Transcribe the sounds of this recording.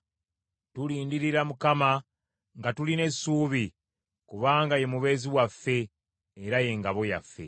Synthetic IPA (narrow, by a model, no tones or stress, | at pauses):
tuliːndiɾiɾamukama | ŋɡatuline̞suːβi | kuβaːŋɡaje̞muβe̞ːziwafːe̞ː | ɾaje̞ŋɡaβo̞ja̰fːe̞̰